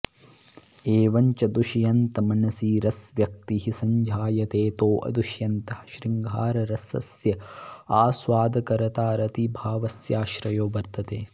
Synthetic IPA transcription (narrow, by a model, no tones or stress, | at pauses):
eːʋɐɲt͡ʃɐd̪uʃjɐnt̪ɐmɐnɐsiːɾɐsʋjɐk̚t̪iɦisɐɲd͡ʒʱaːjɐt̪eːt̪oːʔɐ̰d̪uʃjɐnt̪ɐhɐ̥ʃɾiŋɡʱaːɾɐɾɐsɐ̰sjɐaːsʋaːd̪ɐkɐɾɐt̪aːɾɐt̪ibʱaːʋɐsjaːʃɾɐjoːʋɐɾt̪ɐt̪eː